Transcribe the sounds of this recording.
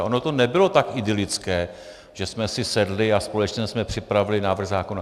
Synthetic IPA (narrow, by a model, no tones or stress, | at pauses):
ʔo̞not̪o̞nɛbɪlo̞t̪akɪdɪlɪt͡skɛː | ʒ̥ɛsmɛsɪsɛdlɪaspo̞lɛt͡ʃɲɛsmɛpr̝̥ɪpɾavɪlɪnaːvr̩ɣzaːkona